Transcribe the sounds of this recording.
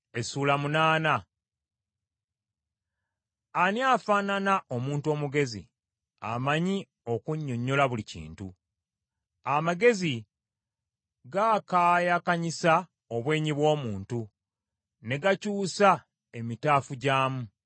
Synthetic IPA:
e̞suːlamunaːna | anjaːfaːnanaʔomuːntuo̞ːmuɡe̞zḭ | a̰maɲi | o̞kuɲːo̞ɲːo̞laβulicḭːntṵ | amaɡe̞zi | ɡakaːjakaɲisa | oβwe̞ːɲiβwo̞ːmuːntu | ne̞ɡacuːsa | e̞mitaːfuɟaːmu

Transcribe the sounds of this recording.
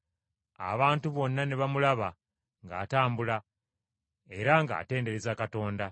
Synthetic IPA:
a̰βaːntuβo̞nːane̞βamulaβa | ŋɡa̰ːtaːmbula | e̞ɾaŋɡa̰ːte̞ːnde̞ɾezakato̞ːnda

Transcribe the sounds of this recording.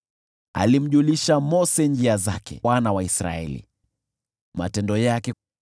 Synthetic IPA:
a̰lim̩ʄuliʃamɔsɛɲd͡ʒiazakɛ̰wanawaisɾa̰ɛ̰lḭ | ma̰tɛndɔjakɛ

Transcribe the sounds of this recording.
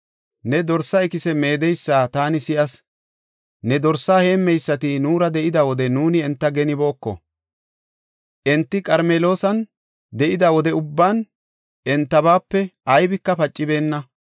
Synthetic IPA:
nɛd̪ɔɾsɐɛkɪsɛme̞ːd̪ɛjsːaːt̪aːnɪsɪʔɐs | nɛd̪ɔɾsːaːhe̞ːmːɛjsːɐt̪ɪnuːɾɐd̪ɛʔɪd̪ɐwɔd̪ɛnuːnɪɛnt̪ːɐɡɛnɪbo̞ːkːɔ̰ | ʔɛnt̪ːɪkʼɐɾmeːlo̞ːsɐn | d̪ɛʔɪd̪ɐwɔd̪ɛʊbːan | ɛnt̪ːɐbaːpːɛʔɐjbɪkːɐpɐt͡ʃʼːɪbe̞ːnːɐ

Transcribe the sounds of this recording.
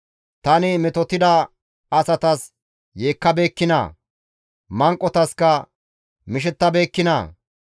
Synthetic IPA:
t̪ɐnɪmɪt̪ɔt̪ɪd̪ɐ | ɐsɐt̪ɐs | jeːkːɐbe̞ːkːɪnɐ̰ | mɐŋkʼːɔt̪ɐskɐ | mɪʃ̬ɛt̪ːɐbe̞ːkːɪnɐ̰

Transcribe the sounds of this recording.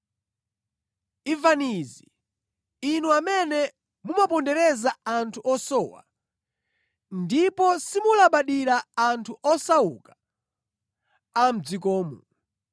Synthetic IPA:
ivaniziː | nuamɛnɛ | mumapɔndɛɾɛzaantʰuʔɔsɔwa̰ | ndipɔsimulaɓaɗiɾaːntʰuʔɔsauka | am̩d͡zik̬ɔːmu

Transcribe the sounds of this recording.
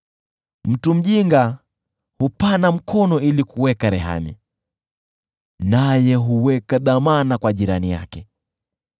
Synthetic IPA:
m̩tum̩ʄiŋɡa | hupanam̩kʰɔnɔilikuwɛkaɾɛɦa̰nḭ | najɛɦuwɛkaðamanakwaʄiɾanija̰kɛ

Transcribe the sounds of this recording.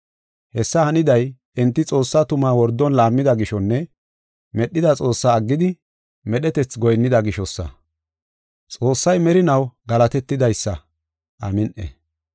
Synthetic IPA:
hɛsːɐhɐnɪd̪ɐj | ɪnt̪ːɪt͡sʼo̞ːsːat̪ʊmaːwɔɾd̪ːɔnlaːmːɪd̪ɐɡɪʃɔnːɛ | mɛɗːɪd̪ɐt͡sʼo̞ːsːaːɡːɪd̪ɪ | mɛɗɛt̪ɛt͡sɡɔjnːɪd̪ɐɡɪʃɔsːɐ̰ | t͡sʼo̞ːsːɐjmɛɾɪnɐwɡɐlɐt̪ɛt̪ːɪd̪ɐjsːɐ | ʔɐ̰mɪnʔɛ̰

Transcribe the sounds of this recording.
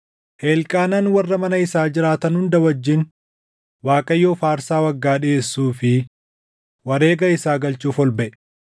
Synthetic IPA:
heːlkʼaːnɐnwɐrːɐmɐnɐɪsaːd͡ʒɪɾaːt̪ɐnhʊnd̪ɐwɐd͡ʒːɪn | waːkʼɐjːoːfaːɾsaːwɐɡːaːᶑɪe̞ːsːuːfɪ | wɐɾe̞ːɡɐɪsaːɡɐlt͡ʃuːfɔlbɛʔɛ

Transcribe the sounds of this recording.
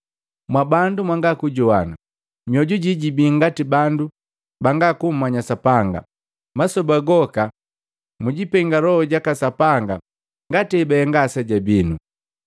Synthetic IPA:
mwabandumwaŋɡakuɟɔana | mjɔɟuɟiɟibiŋɡatibandu | baŋɡakum̩mːaɲasapaŋɡa̰ | masɔbaɡɔka | muɟipɛŋɡalɔhɔɟakasapaŋɡa | ŋɡatiɛbɛɛŋɡasɛɟabinu

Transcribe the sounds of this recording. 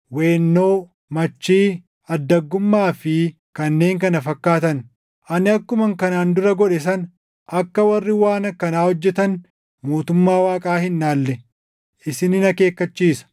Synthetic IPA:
weːnːo̞ː | mɐt͡ʃːiː | ɐd̪ːɐɡːʊmːaːfɪ | kɐnːe̞ːŋkɐnɐfɐkːaːt̪ɐn | ʔɐnɪɐkːʊmɐŋkɐnaːnd̪ʊɾɐɡɔᶑɛs̬ɐn | ʔɐkːɐwɐrːɪwaːnɐkɐnaːhɔd͡ʒːɛt̪ɐn | moːt̪ʊmːaːwaːkʼaːhɪnːaːlːɛ | ʔɪsɪnɪnɐke̞ːkːɐt͡ʃːiːsɐ̥

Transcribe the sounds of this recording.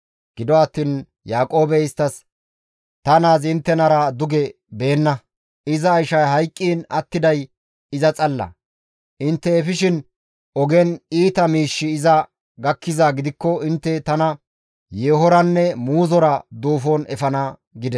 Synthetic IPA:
ɡ̥ɪd̪ɔɐt̪ːiːn | jaːkʼo̞ːbɛɪst̪ːɐs | t̪ɐnaːzɪnt̪ːɛnɐɾɐd̪ʊɡɛ | be̞ːnːɐ | ɪzɐːjʃɐjɦɐjkʼːiːnɐt̪ːɪd̪ɐj | ɪzɐt͡sʼɐlːɐ̰ | ʔɪnt̪ːɛɛfɪʃɪn | ɔɡɛniːt̪ɐmiːʃːɪːzɐ | ɡɐkːɪzaːɡɪd̪ɪkːɔɪnt̪ːɛt̪ɐnɐ | jeːɦɔɾɐnːɛmuːzɔɾɐd̪uːfonɛ̰fɐnɐ | ɡɪd̪ɛ

